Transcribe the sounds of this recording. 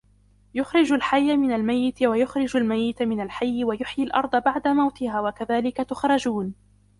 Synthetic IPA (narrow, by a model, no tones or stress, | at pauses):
jʊxɾɪd͡ʒalħajːamɪnalmajːɪt̪wajʊxɾɪd͡ʒalmajːɪt̪mɪnalħajːɪwajʊħjalʔɑɾˤd̪ˤɑbaʕd̪amawt̪ɪhaːwakaðaːlɪkat̪ʊxɾˤɑd͡ʒuːn